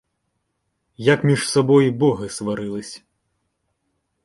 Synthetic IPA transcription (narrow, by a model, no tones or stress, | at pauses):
jɐkmʲiʂsabɔjbɔɣɨsvaɾɨlˠɨsʲ